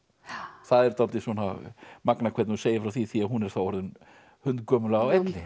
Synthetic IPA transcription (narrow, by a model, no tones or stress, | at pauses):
θaðɛɾ̥t̪alt̪ɪswɔːna̰maknakʰvɛt̪nuseːjɪɾfɾawθiθiaðɦunɛɾ̥θawɔɾðɪn | hʏnt̪kœːmʏlaawɛt̪lɪ